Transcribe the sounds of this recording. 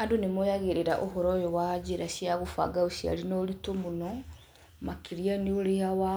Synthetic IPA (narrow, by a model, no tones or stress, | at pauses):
adonemojaɣeɾeɾaʔoɦɔɾɔjowad͡ʑeɾaɕiaɣofa̰ɡaoɕia̰ɾinɔɾitomonɔ | makiɾianeoɾeawa